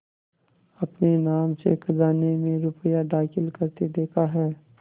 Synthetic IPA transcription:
ɐpnenaːmsḛkʰɐzaːnemẽɾʊpəjaɖaːkɪlkɐɾt̪ed̪eːkʰaɦɛː

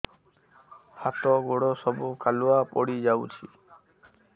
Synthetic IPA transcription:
hat̪ɔɡoɽosɔbukʰaluapɔɽid͡ʒawt͡ʃʰi

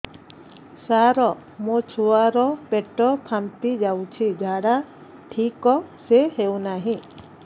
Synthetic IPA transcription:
saɾɔ | mũt͡ʃʰuaɾɔpeʈɔpʰamt̪id͡ʒawt͡ʃʰid͡ʒʱaɽa | ʈʰikɔseɦewnaɦĩ

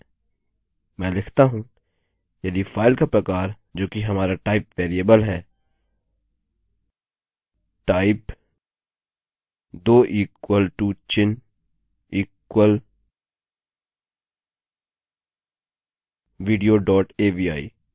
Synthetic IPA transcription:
mɛ̃ːlɪkʰt̪aɦũ | jɐd̪ifʰaːɪlkapɾɐkaːɾ | d͡ʒoːkiɦɐmaːɾaʈaːɪpʋɛːɾieːbəlɦɛː | ʈaːɪp | d̪oːʔiːkwəlʈuːt͡ʃɪn | iːkwəl | ʋiːɖijoɖɔːʈeːʋiːaːḭ

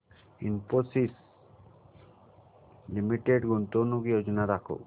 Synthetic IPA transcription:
inposis | limiʈeɖɡunt̪onukjod͡ʒɔnaɾakʰo̰

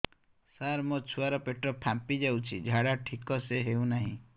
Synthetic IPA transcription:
saɾmot͡ʃʰuaɾɔpeʈɾɔpʰampid͡ʒawt͡ʃʰid͡ʒʱaɽaʈʰikɔseɦeuw̃naɦĩ

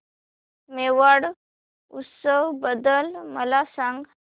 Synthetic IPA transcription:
meʋaɽ | ut̪səwbəd̪əlməlasãŋɡ

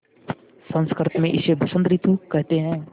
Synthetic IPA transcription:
sə̃nskəɾt̪mẽʔɪsebʊsə̃nd̪ɾit̪ʰukɛɦt̪eɦɛ̃ː

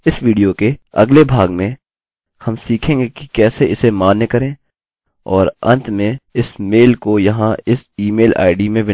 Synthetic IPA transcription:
ɪsʋiːɖijokeɐ̰ɡlebʱaːɡmẽ | hɐmsiːkʰẽːŋɡeki̥kɛːseɪsemaːnːekɐɾẽː | ɔːɾɐ̰̃nt̪ʰmẽɪsmeːlkojɐɦãɪsiːmeːlʔa̰ːɪɖimẽʋɪ

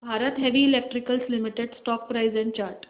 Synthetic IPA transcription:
bʱaɾət̪ɦeʋiːlek̚ʈɾikəlslimiʈeɖsʈɔk̚pɾajzɛ̃ɳt͡ɕaɾʈ

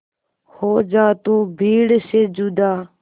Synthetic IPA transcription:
hoːd͡ʒaːt̪uːbʱiːɽseːd͡ʒud̪aː

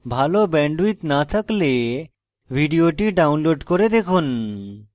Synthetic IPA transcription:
bʱalobɛ̃ɳɖwit̪nat̪ʰəkle | bʱiɖijoʈiɖaunloɖkɔɾed̪ekʰun

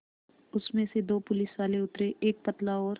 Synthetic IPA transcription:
ʊsmẽsed̪oːpʊlɪsʋaːleʊt̪ɾeʔeːk̚pɐt̪laɔːɾ

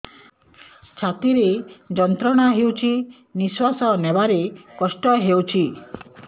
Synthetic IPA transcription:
t͡ʃʰat̪iɾed͡ʒɔnt̪ɾɔɽ̃aɦewt͡ʃʰi | niswasɔnebaɾekɔsʈɔɦewt͡ʃʰi

